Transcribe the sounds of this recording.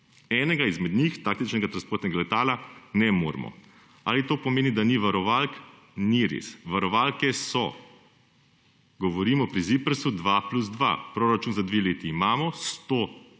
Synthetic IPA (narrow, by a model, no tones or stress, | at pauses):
ɛːnɛɡaizmɛd̪nixt̪aːkt̪it͡ʃnɛɡat̪ɾanspoːɾt̪nɛɡalɛt̪aːlanɛmo̰ːɾmɔ̰ | a̰ːlit̪oːpɔmeːnid̪aniʋaɾɔʋalk | niɾḛsʋaɾɔʋalkɛsɔ | ɡɔʋɔɾiːmɔpɾizipəɾsud̪ʋapluzd̪ʋa̰pɾoːɾat͡ʃunzad̪ʋeleːt̪iːmaːmɔst̪o